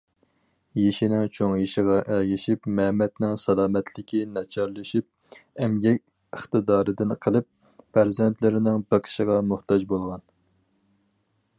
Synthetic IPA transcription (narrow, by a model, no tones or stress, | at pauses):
jeʃinɪŋt͡ʃʰoŋjeʃɪʁɑʔɛlɡʲiʃipmɛmɛt̪nɪŋsɑlˠɑːmɛt̪ʰlɪkʲʰinɑt͡ʃʰɑɾlˠɨʃip̚ | ɛmɡʲɛkʲ | əχt̪ɨd̪ɑːɾɨd̪ɪnqʰəlˠɨp̚ | pʰæɾzɛnt̪lɪɾɪnɪŋbəqʰə̥ʃəʁɑmuht̪ɑd͡ʒbolˠʁɑn